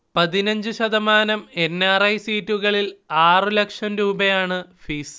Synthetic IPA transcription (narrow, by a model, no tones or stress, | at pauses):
pɐðinɐɲd͡ʑuɕɐðɐmaːnɐme̞nːaːrɐjsiːtːuɣɐɭilaːrɨlɐkʂɐmɾuːbɐjaːɳɨfiːs